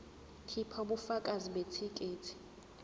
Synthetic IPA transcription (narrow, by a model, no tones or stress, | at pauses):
tʰipʰauɓufakʼaziɓetʰikʼeːtʰi̥